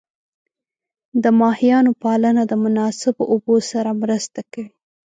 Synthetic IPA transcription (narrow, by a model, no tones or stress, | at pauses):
d̪əmɑhijɑnopɑlənad̪əmʊnɑsɪboʔobosaɾamɾəst̪akawi